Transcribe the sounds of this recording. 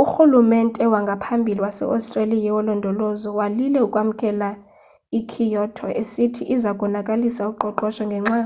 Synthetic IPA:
uxulumɛntʼɛwaŋɡʱapʰambʱiliwasɛ̰ʔa̰stʼrelijɛwɔlɔndʱɔlɔzɔwalilɛukʼwam̩kʼɛla | ikʰijɔtʰɔesitʰiʔizakʼɔnakʼalisaukǃɔǃɔʃɔŋɡʱɛŋ͡ǁaː

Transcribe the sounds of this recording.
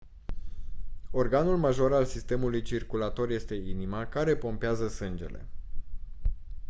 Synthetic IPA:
o̞rɡanulmaʒo̞ɾalsist̪e̞mulujt͡ʃirkulat̪o̞rje̞st̪e̞inimakaɾe̞po̞mpeazəsɨnd͡ʒe̞̰le̞̰

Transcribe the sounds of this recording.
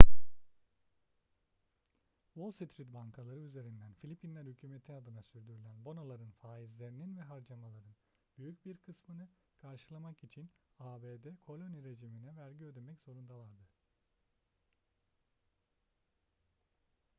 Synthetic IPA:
wolˠsit̪ʰɾit̪baŋkʰalˠaɾɯyze̞ɾind̪ænfilʲipʰinlʲæɾhycʲʰyːmet̪ʰiad̪ɯnasyɾd̪yɾylʲænbo̞nolˠaɾɯnfaːizlʲe̞ɾininvɛɦaɾd͡ʒamalˠaɾɯn | byjycbiɾkʰɯsmɯnɯ | kʰaɾʃɯlˠamakit͡ʃʰinaːbeːd̪ɛkʰo̞lʲo̞niɾe̞ʒiminɛvæɾɟiø̞d̪emɛcz̥o̞ɾund̪alˠaɾd̪ɯ

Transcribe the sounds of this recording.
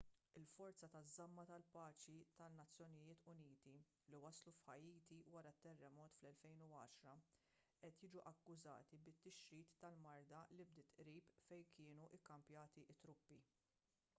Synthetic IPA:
ɪlfɔɾt͡sɐt̪ɐzːɐmːɐt̪ɐlpɐːt͡ʃit̪ɐnːɐt͡sːjɔnɪjɪːt̪ʊniːt̪i | liwɐslufħɐjiːt̪iwɐɾɐt̪ːɛrːɛmɔːt̪flɛlfɛjnuɐːʃɾɐ | ʔɛt̪jɪːd͡ʒuʔɐkːʊzɐ̰ːt̪ibɪt̪ːɪʃɾiːt̪ːɐlmɐɾd̪ɐlɪb̚d̪ɪt̪ʔɾiːpfɛjkɪːnuʔɪkːɐmpjɐːt̪iʔɪt̪ːɾʊpːi

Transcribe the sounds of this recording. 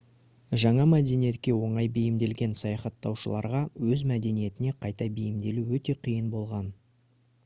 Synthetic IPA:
ʒɑɴɑmæd̪e̞nije̞t̪̚kʲe̞wo̞ɴɑjbejɪmd̪e̞lɡʲe̞nsɑjɑχɑt̪ːɑwʃəlˠɑ̰ɾʁɑwɵzmæd̪e̞nije̞t̪ɪne̞qʰɑjt̪ɑbejɪmd̪e̞luwɵt̪e̞qʰijənbo̞lˠʁɑn

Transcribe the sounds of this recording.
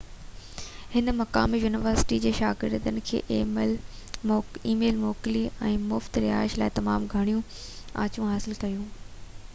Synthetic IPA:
hɪnmɐka̰ːmijuːnɪʋəɾsɪ̥ʈid͡ʑeːʃaːɡɪ̰ɾd̪ənɪ̆kʰḛːʔ | iːmeːlmoːkɪliɛ̃ːmʊft̪ɾɪɦa̰ːɪʃlaːɪt̪ɐmaːmɡʱɐɽ̃ijũ | ã̰ːt͡ɕũɦaːsɪlkɐjũː

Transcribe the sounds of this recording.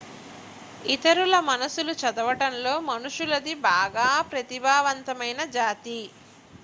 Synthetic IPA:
it̪ɐɾulɐmɐnɐsulut͡ʃɐd̪ɐʋɐʈɐnlo̞ːmɐnuʂulɐd̪ibaːɡaːpɾɐt̪ibʱaːʋɐnt̪ɐmɐjnɐd͡ʒaːt̪i

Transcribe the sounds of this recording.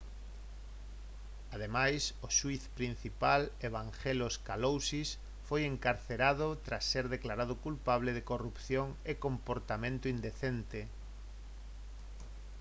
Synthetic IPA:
að̞emajsoʃuiθpɾin̟θipaleβ̞aŋxeloskalowsis | fojeŋkaɾθeɾaðot̪ɾasːeɾðeklaɾað̞ʊkulpaβ̞leðekorupθjoŋekõmpoɾt̪amẽnt̪ʊind̪eθent̪e

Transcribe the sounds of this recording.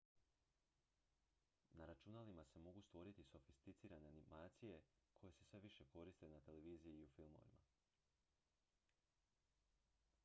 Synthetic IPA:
naɾat͡ʃunalimase̞mo̞ɡust̪ʋo̞ɾit̪iso̞fist̪it̪siːɾane̞animaːt̪sije̞kʰo̞je̞sesʋe̞ʋiʃe̞ko̞ɾist̪e̞nat̪e̞le̞ʋiːzijiːufilˠmo̰ʋḭma̰

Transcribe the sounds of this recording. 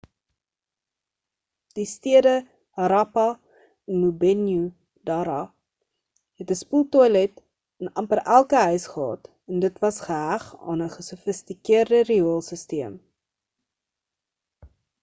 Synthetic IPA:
d̥istiədə | əɾɑpɐ | ənmubɛnju | dɑɾɑ | ɦɛtəspulˠtɔlɛt | ənɐmpəɾʔælˠkəɦœɥsχəɦɑ̰ːt | ɛndətvɐsχəɦæχɑ̰ːnəχəsufəstikiərdəriuəlˠsəstiəm

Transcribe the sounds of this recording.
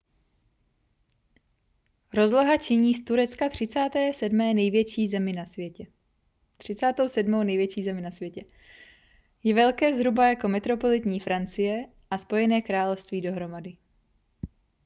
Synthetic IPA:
ɾo̞zloɦat͡ʃɪɲiːst̪uɾɛtt͡skat̪r̝̥ɪt͡saːt̪ɛːsɛdmɛːnɛjvjɛt͡ʃiːzɛmɪnasvjɛcɛ | t̪r̝̥ɪt͡saːt̪owsɛdmownɛjvjɛt͡ʃiːzɛmɪnasvjɛcɛ | jɛvɛlkɛːzɦɾubajako̞mɛt̪ɾo̞po̞lɪt̪ɲiːfɾant͡sɪjɛ | ʔaspo̞jɛnɛːkɾaːlofst̪viːdo̞ɦɾo̞madɪ

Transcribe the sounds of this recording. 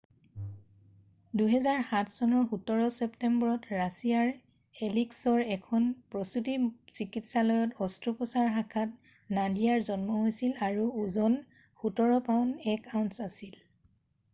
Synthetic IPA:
duɦɛzaɹxatʰsɔnɔɹxutɔɹɔsɛptɛmbɔɹɔtɹasijaɹ | eliksɔɹɛkʰɔnpɹɔsutisikitsalɔjɔtɔstɹupɔsaɹxakʰat̚ | nadijaɹzɔnmɔɦojsilaɹuːzɔn | xutɔɹɔpaʊnɛkaʊntsasil

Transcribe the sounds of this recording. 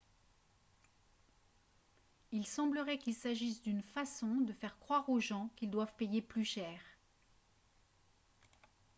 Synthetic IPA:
ilsɑ̃bləʁɛkilsaʒisd̪ynfasɔ̃d̪əfɛʁkχwaʁoʒɑ̃kild̪wavpejeplyʃɛːʁ

